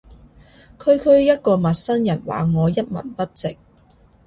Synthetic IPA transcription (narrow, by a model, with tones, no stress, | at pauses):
kʰɵ˨˧ɥkʰɵ˧ɥjɐ˥t̚kɔː˧mɐ˨t̚sɐ˥njɐ˨˩nwa̰ː˨ŋɔː˨˧jɐ˥t̚mɐ̰˨˩npɐ˥t̚t͡sɪ˨k̚